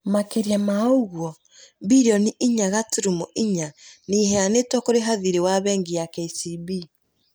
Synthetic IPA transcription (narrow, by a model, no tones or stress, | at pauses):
makeɾjamaoɣwɔ | biɾɔniʔiɲaɣatuɾumɔʔiɲaniːhɛanetwɔkoɾeɦaðiɾewaβɛŋɡijakɛisibi